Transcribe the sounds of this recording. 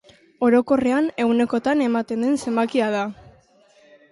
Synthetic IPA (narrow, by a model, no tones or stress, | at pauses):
o̞ɾo̞ko̞re̞ane̞wne̞ko̞t̪ane̞mat̪e̞nd̪e̞nse̞mbakiað̞a